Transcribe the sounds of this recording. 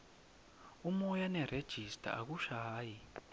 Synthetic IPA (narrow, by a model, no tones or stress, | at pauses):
umɔjanɛred̥ʒ̥ʱistʰʼa̰a̰k̬uʃaɦaːji